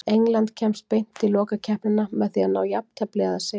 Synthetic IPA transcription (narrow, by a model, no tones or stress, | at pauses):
ejŋlant̪cʰɛmst̪̚pejn̥t̪ʰːɪlɔːkacʰɛhpɪnamɛðθianaːwjapt̪ʰɛplɪɣaðase